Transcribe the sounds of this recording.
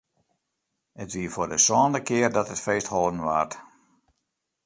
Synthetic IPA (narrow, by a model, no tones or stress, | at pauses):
ətʋiəfʊːrdəsɔːndəkɪərdɔtətfeːsthɔlˠdən̩ʋa̰ːrt